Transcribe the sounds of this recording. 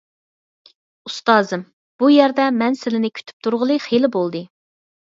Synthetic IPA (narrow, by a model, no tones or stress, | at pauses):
ust̪ɑːzɨm | b̥ujɛɾd̪ɛmɛnsɪlɪnɪkʲʰy̥t̪ʰy̥p̚t̪ʰuɾʁəlˠɨχelɪbolˠd̪ɨ